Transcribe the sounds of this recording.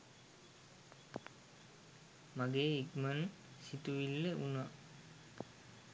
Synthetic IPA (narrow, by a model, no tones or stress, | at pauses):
maɡeːikman | sit̪uʋilːeʔuna